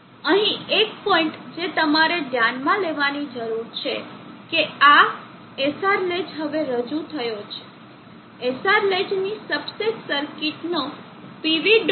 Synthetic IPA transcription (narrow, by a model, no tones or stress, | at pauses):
əɦĩek̚pɔiɳʈd͡ʒet̪əmaɾeɖjãnmãleʋanid͡ʒəɾuɾt͡ʃʰekea | esaɾled͡ʒɦəʋeɾəd͡ʒut̪ʰəjot͡ʃʰe̥ | esaɾled͡ʒnisəbseksəɾkiʈno | piʋiɖ